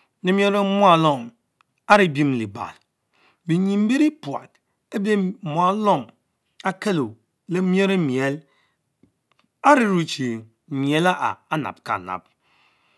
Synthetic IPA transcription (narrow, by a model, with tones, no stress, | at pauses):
ne˨˦m˦e˦ɾe˦mo˦a˨lɔ˦˨m | a˦ɾi˦˨bi˦m˨li˨ba̰˨l | bi˨ɲi˨m̩˦bi˦ɾi˦pu˨a̰˨t | e˦be˦mo˨a˨˦lɔ˦˨m | a˦ke˦lo˨ | le˦m˦e˦ɾe˦mi˨e˨˦l | a˦ɾi˦ɾu˨t͡ʃi˨ | mi˨e˦la˦ʔa̰˨a˦na̰˨b̚ka̰˨na̰˨p̚